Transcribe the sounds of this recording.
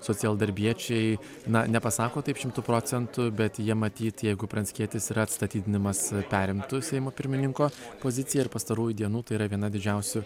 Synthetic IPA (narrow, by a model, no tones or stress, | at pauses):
soːtt͡s̪ʲɪɛlˠd̪ɐɾʲbʲiɛt͡ʃʲɛɪ | nɐnʲɛpɐsɑːkoːt̪ɐɪpʃʲɪmt̪ʊpɾoːt͡s̪ʲɛnt̪ʊbʲɛt̪jiɛmɐt̪ʲiːt̪jɛɪɡʊpʲɾɐnʲsʲkʲiɛt̪ʲɪsiːɾɐt̪st̪ɐt̪ʲiːd̪ʲɪnʲɪmɐspʲæːɾʲɪmt̪ʊsʲɛɪmoːpʲɪɾʲmʲɪnʲɪŋkoːpoːzʲɪt͡s̪ʲɪjɛɪɾpɐst̪ɐɾuːjʊd̪ʲiɛnuːt̪ɐɪiːɾɐʋʲiɛnɐd̪ʲɪd͡ʒʲɛʊsʲʊ